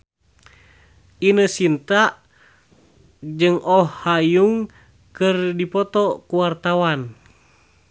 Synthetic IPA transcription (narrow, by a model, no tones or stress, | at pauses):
inəsint̪aʔ | d͡ʒɨŋʔɔhːajuŋ | kɨrdipɔt̪ɔkuwart̪awan